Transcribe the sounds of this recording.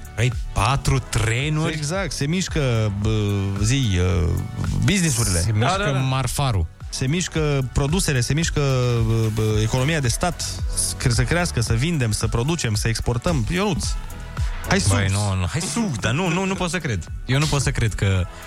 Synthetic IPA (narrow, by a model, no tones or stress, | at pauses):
ajpat̪ɾut̪ɾenureɡzak̚t̪se̞miʃkəəzijə | biznisuɾile̞̰emiʃəmarfaɾṵ | se̞miʃkəpɾo̞d̪use̞le̞se̞miʃkəəəeko̞no̞miad̪e̞st̪at̪kesəkɾeaskəsəvind̪e̞msəpɾo̞d̪ut͡ʃe̞msəekspo̞rt̪əmjoɾut̪s | hajsbujnonhajsuɡd̪anununupot̪səkɾed̪jewnupot̪səkɾe̞d̪kə